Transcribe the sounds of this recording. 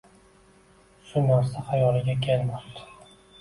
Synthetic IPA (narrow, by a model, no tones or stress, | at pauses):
ʃʊnaɾsahajɒlˠɪɡʲakʲʰelmapt̪ʰɪ̥